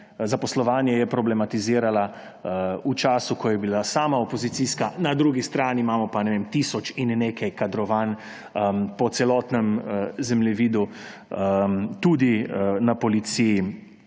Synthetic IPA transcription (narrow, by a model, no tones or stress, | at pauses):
zapɔslɔʋaːnjɛjɛpɾɔblɛmat̪iziːɾala | ut͡ʃaːsukɔjɛbilasaːmaopɔzit̪siskanad̪ɾuːɡist̪ɾaːniːmaːmɔpanɛʋeːmt̪isɔt͡ʃinːeːkajkad̪ɾɔʋaːn | pɔt̪sɛlɔːt̪nɛmzɛmlɛʋiːd̪u | t̪uːd̪inapɔlit̪siji